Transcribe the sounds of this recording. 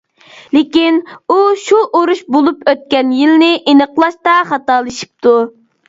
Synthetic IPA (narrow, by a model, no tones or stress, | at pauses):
lɪkʲinuʃuʔoɾuʃbolˠupøt̪̚kʲɛnjilnɪʔinəqlˠɑʃt̪ɑχɑt̪ɑːlˠɨʃi̥p̚t̪ʰu